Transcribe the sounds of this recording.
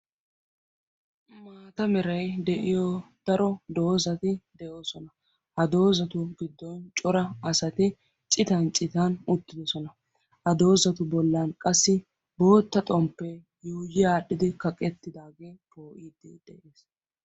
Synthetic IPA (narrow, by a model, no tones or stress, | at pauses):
maːt̪ɐmɛɾɐjd̪ɛʔɪjɔd̪̥ɐɾɔd̪o̞ːzɐt̪ɪd̪ɛjo̞ːsɔnɐ | hɐd̪o̞ːzɐt̪ʊɡɪd̪ːɔnt͡ʃʼɔɾɐɐsɐt̪ɪ | t͡ʃʼɪt̪ɐnt͡ʃʼɪt̪aːnʊt̪ːɪd̪ɔsɔnɐ | hɐd̪o̞ːzɐt̪ʊbɔlːaːnkʼɐsːɪ | bo̞ːt̪ːɐt̪ʼɔmpːe̞ː | jujɪaːɗɪd̪ɪkɐkʼɛt̪ːɪd̪aːɡe̞ːpo̞ːʔiːd̪ɛd̪ɛʔeːs